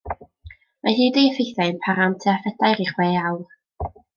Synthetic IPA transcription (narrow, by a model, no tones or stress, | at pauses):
maɦɨːdejəfejθaɨnpʰaɾamtʰɛafəd̥ajɾiχweːawlˠ